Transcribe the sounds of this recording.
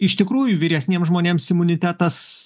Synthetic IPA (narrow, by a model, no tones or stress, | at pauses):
ɪʃt̪ʲɪkɾuːjʊʋʲiɾʲɛsʲnʲeɛmszʒmoːnʲeːmsɪmʊnʲɪt̪ʲæːt̪ɐs